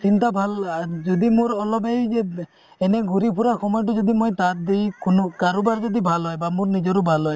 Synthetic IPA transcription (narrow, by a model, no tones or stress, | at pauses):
sint̪abʱald͡ʒɔd̪imuɾɔlɔbejd͡ʒe | eneɡuɾipʰuɾaxɔmɔjɔʈ̬ud͡ʒɔd̪imojt̪at̪̚d̪ejkunɔkaɾubaɾd͡ʒɔd̪ibʱalɦɔjbamuɾnid͡ʒɔɾubʱalɦɔj